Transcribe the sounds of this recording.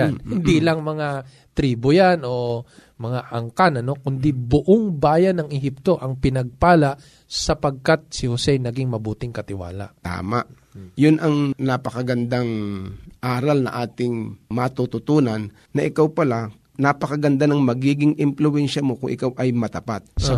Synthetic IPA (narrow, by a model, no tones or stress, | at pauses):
janhɪnd̪ilɐŋmɐŋa | t̪ɾiːbojanʔo̞ | mɐŋaʔɐŋkanɐno̞kʊnd̪ibʊʔoŋbaːjɐnːɐŋɛɦip̚t̪o̞ʔɐŋpɪnɐɡ̚paːlaʔ | sɐpɐɡ̚kat̪̚sɪhosɛnɐɡɪŋmɐbuːt̪ɪŋkɐt̪ɪwa̰ːla̰ʔt̪a̰ːmaʔ | jʊnʔɐŋnapɐkɐɡɐnd̪aŋʔaːɾɐlnɐ̰ʔaːt̪ɪŋmat̪ut̪ʊt̪uːnanːɐʔɪkawpɐla | napɐkɐɡɐnd̪anɐŋmɐɡiːɡɪŋʔɪmplʊwɛnʃɐmo̞kʊ̰ŋʔɪkawʔɐjmɐt̪ɐpat̪̚s